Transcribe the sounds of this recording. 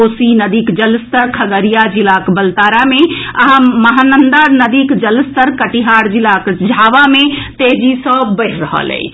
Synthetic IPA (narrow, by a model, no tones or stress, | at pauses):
osinəd̪ikd͡ʒəlst̪əɾkʰəɡəɾijad͡ʒilakbəlt̪aɾameəɦãməɦanənd̪aɾnəd̪ikd͡ʒələst̪əɾkəʈiɦaɾd͡ʒilakd͡ʒʱaʋamet̪eɦd͡ʒisəbbəɪɾɾəɦə̰lɛ̰j